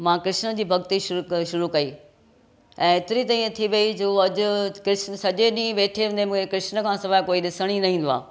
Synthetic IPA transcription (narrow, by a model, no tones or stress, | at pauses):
mãːkɾɪʃnə̆d͡ʑiːbʱɐɡt̪iʃʊʃʊɾukɐi | ɛ̃ːɪt̪ɪɾit̪aːĩt̪ʰiʋɐid͡ʑoːɐd͡ʑʊ̆kɾɪʃnəsɐd͡ʑeɗĩːʋeːʈʰeɦʊ̃nd̪emũːkʰekɾɪʃnə̆kʰãːsɐʋaːkoːiɗɪsəɽ̃inɐɦĩːn̆d̪oa̰ː